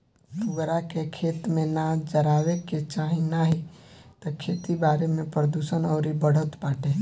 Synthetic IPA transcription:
t̪ʊɡɾakekʰeːt̪mẽnad͡ʒəɾaːweket͡ʃaːɦĩnaɦit̪ɔkʰeːt̪ibaːɾemẽpɾəd̪uːʃənɔːɾibəɽ̤ət̪paːʈe

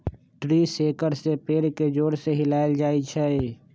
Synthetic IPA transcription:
ʈɾiseːkəɾsepeːɾked͡ʒoːɾseɦɪlaːɪld͡ʒaːit͡ʃʰɛ

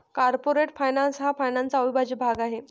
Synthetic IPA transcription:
kaɾpoɾeʈfajnansɦafajnãnsaʋibʱad͡ʑibʱaɡaɦe

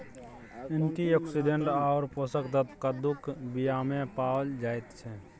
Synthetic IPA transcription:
ɪnt̪iɔːksiɖʱeɳʈɔːɾposəkd̪ət̪kad̪ʊkʰbijamẽpaːld͡ʒaːjt̪t͡ʃʰɛ

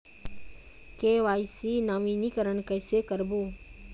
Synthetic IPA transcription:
keːʋaːisiːnaʋiːnikəɾəɳkəːsekəɾboː

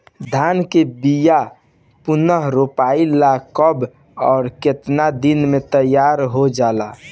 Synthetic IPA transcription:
d̪ʱaːnkebija | pʊnəɦɾopailakəb | ɔːɾket̪nad̪inmet̪əjːaːɾɦod͡ʒaːla

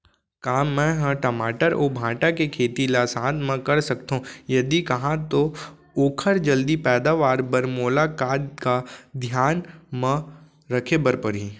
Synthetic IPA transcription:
kaːmːɛ̃ɦə̃ʈəmaːʈəɾoːbʱãːʈakekʰeːt̪ilasãːd̪mẽkɐɾsɐkt̪ɦũjɐd̪ikɐɦãt̪o | oːkʰəɾd͡ʒɐld̪ipɛːd̪aːʋaːɾbəɾmoːlakaːt̪kad̪ʱjaːnmə̃ | ɾɐkʰebəɾpəɾɦi

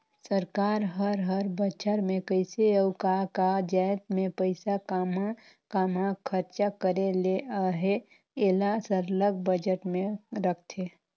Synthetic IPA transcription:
səɾkaːɾɦəɾɦəɾbət͡ʃʰəɾmẽkəɪseəʊkakad͡ʒajt̪mẽpəɪsakama | kamakʰəɾt͡ʃakəɾeleaɦe | eːlasəɾləɡ̚bəd͡ʒəʈmẽɾək̚ʰt̪ʰe

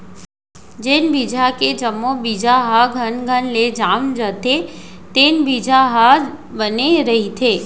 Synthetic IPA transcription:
d͡ʒenbid͡ʒʱaked͡ʒəmːobid͡ʒaɦaɡʱənɡʱənled͡ʒaːmd͡ʒət̪e | t̪enbid͡ʒaɦa | bəneɾəɦit̪ʰeː

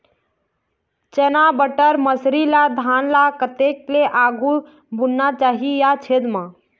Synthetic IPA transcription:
t͡ʃenabəʈəɾməsɾilad̪ʱanlakət̪ekleʔaɡu | bunnːat͡ʃaːɦijat͡ʃʰed̪mã

